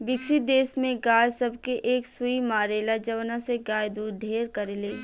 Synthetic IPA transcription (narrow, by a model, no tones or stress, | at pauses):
bɪkid̪eːsmẽɡaːjsɐb̚ʱkeʔeːksʊimaːɾeːlad͡ʒɐʋnaseɡaːjd̪uːɖʱeːɾkɐɾeleː